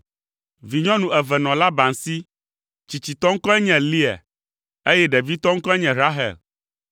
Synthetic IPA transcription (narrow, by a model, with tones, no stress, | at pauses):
vi˨ɲɔ̃˦nũ˨ɛ˨vɛ˨nɔ̃˨la˦ba˨ŋ˨si˦ | t͡ɕi˨t͡ɕi˨t̪ɔ˦ŋ̩˦kɔ˦ɛ˦ɲɛ̃˨li˦ɛ̰˨ | e˦jɛ˦ɖɛ˨vi˦t̪ɔ˦ŋ̩˦kɔ˦ɛ˦ɲɛ̃˨ɾa˦ɦɛ̰˨l